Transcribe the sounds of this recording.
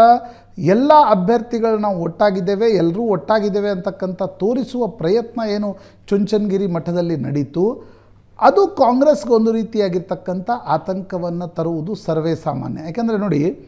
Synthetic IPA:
ɐ | ɛlːɐɐbʱjɐɾt̪iɡɐɭunaːʋuɔʈːaːɡid̪ːe̞ːʋe̞ɛlːɐɾuːɔʈːaːɡid̪ːeːʋeɐnt̪ɐkːɐnt̪ɐt̪o̞ːɾisuʋɐpɾɐjɐt̪nɐeːnu | t͡ʃuɲt͡ʃɐnɡiɾimɐʈʰːɐd̪ɐlːinɐɽit̪u | ɐd̪ukaːŋɡɾesɡeond̪uɾiːt̪ijaːɡiɾt̪ɐkːɐnt̪ɐʔaːt̪ɐŋkɐʋɐnːɐt̪ɐɾuʋud̪usɐɾʋeːsa̰ːma̰ːnjɐjaːkeːnd̪ɐɾe̞no̞ːɽi

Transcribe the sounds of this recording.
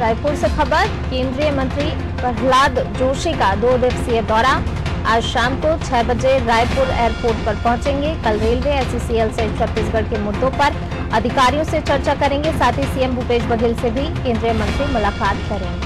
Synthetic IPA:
ɾaːjpʊɾsexɐbəɾ | kẽːnd̪ɾijəmɐ̃nt̪ɾi | pɐɦlaːd̪d͡ʒoːʃikad̪oːd̪eksied̪ɔːɾa | aːd͡ʒʃaːmkot͡ʃʰɛːbɐd͡ʒeɾaːjpʊɾɛ̰ːəɾpoːɾʈ̚pɐɾpɐ̃ɦʊ̃t͡ʃẽːŋɡekɐlɾeːlmẽɛːsisielset͡ʃʰɐp̪ːiːsɡʱɐɽkemʊd̪ːõpɐɾ | ɐd̪ʱɪkaːɾijõset͡ʃɐɾt͡ʃakɐɾẽːŋ̆ɡesaːt̪ʰisiːembʱupeːd͡ʒbɐɡʱɪlsebʱikẽːnd̪ɾijəmɐ̃nt̪ɾimʊlaːkaːt̪kɐɾẽːŋɡe

